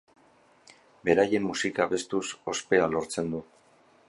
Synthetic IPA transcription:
be̞ɾaje̞mːusikaβe̞st̪uso̞spe̞alo̞ɾt͡se̞nd̪u

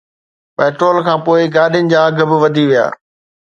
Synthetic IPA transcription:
pɛːʈɾoːlkʰãːpoːɪɡaːɗɪjənɪ̆d͡ʑaːɐɡ̆ʱbɪ̆ʋɐd̪ʱiʋija̰ː

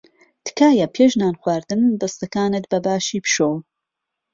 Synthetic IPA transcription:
t̪ɨ̥kaːjɐpʰeːʒnaːnxwaːɾd̪ɨnd̪ɐst̪ɐkaːnɨt̪̚bɐbaːʃiːpʃoːw

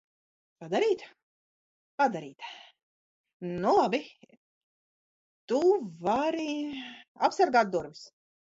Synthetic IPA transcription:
pad̪aɾiːt̪ | pad̪aɾiːt̪ | nulˠabi | t̪uvaɾi | apsaɾɡaːt̪̚d̪uɾvis

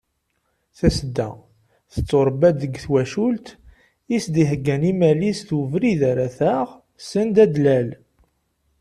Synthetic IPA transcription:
θæsd̪ːæ̰ | θət͡sːoɾˤbæd̪əɡθwæʃult̪ | isd̪iɦəɡːænimælisθuvɾiðæɾæθæʁ | sənd̪æd̪læl

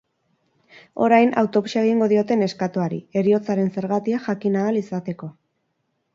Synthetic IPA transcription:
o̞ɾajna̰wt̪o̞βuʃaeɣ̞iŋɡo̞ðio̞t̪e̞ne̞skat̪uaɾḭe̞ɾio̞t͡saɾe̞nse̞ɾɣat̪iaʝakinaːlisat̪e̞ko̞

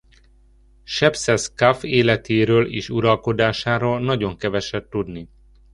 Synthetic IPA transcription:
ʃɛpsɛskafeːlɛt̪ʰeːɾøːlḛːʃuɾɒlko̞d̪aːʃaːɾoːlnɒɟo̞ŋkɛvɛʃɛt̪ːud̪ni

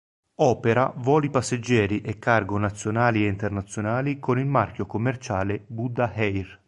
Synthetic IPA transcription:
ɔːpeɾa̰vɔːlipasːed͡ʒːɛːɾiʔekːarɡonat̪sːjonaːlieint̪ernat̪sːjonaːlikonilmarkjokomːert͡ʃaːlebud̪ahɛjr

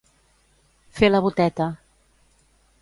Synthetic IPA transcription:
feləβut̪ɛt̪ə

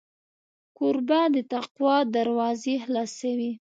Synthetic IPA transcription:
kʊɾbad̪ət̪aqwɑd̪aɾwɑzeɦlɑsawi

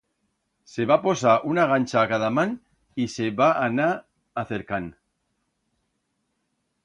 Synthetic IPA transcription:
se̞βapo̞saʔunaɣant͡ʃakaðaman | ise̞βaʔːnaː | θeɾkan

